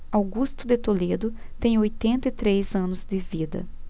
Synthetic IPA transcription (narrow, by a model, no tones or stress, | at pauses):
awɡust̪ʊd̪ɪt̪oled̪ʊ | t̪ẽj̃ojt̪ẽnt̪ɐɪt̪ɾezɐ̃nʊzd̪ɪvid̪ɐ̰